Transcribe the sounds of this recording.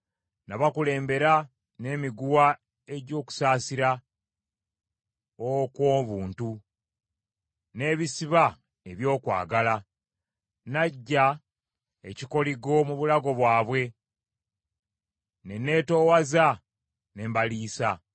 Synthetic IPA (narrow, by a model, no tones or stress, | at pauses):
naβakule̞ːmbe̞ɾa | ne̞ːmiɡuwa | e̞ɟo̞ːku̥saːsiɾa | okwoːβuːntu | ne̞ːβisiβa | e̞βjo̞ːkwa̰ːɡala | naɟːa | ḛciko̞liɡo̞muβulaɡo̞βwaːβwe̞ | ne̞ne̞ːto̞ːwaza | ne̞ːmbaliːsa